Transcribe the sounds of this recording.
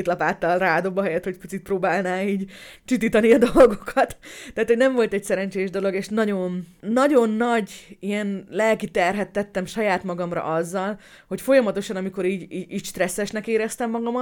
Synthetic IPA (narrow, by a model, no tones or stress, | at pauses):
t̪lɒpaːt̪ːɒlraːd̪o̞bɒɦɛjɛt̪hocpi̥t͡sit̪̚prɾoːbaːlnaːiːɟt͡ʃit̪iːt̪ɒniɒd̪o̞lɡokʰɒt̪t̪ːɛːt̪ho̞ɟnɛɱvo̞lt̪ɛcsɛɾɛnt͡ʃeːʒd̪o̞lo̞ɡeːʃnɒɟo̞nːɒɟo̞nːɒɟijɛnlɛlkit̪ɛrɦɛt̪ːɛt̪ːɛmʃɒjaːt̪mɒɡɒmrɒ̰ʔɒzːɒl | ho̞cfo̞jɒmɒt̪o̞ʃɒnɒmiko̞ɾiːɟiːiːɟʃt̪rɛsːɛʃnɛkeːɾɛst̪ɛmːɒɡɒmɒ